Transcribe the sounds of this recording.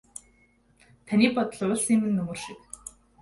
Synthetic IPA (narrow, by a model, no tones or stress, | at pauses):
t̪ʰanʲiːpɔt̪ɞ̆ɮʊːɮsiːmɘ̆nːɵmɵ̆ːrʃik